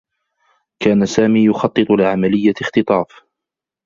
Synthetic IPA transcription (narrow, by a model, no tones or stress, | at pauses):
kaːnasaːmiːjʊxɑt̪ˤːɨt̪ˤʊlɪʕamalɪjːaxt̪ɨt̪ˤɑːf